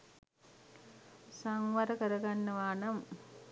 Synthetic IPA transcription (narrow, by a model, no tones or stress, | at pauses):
saŋʋaɾəkəɾəɡanːəʋaːnam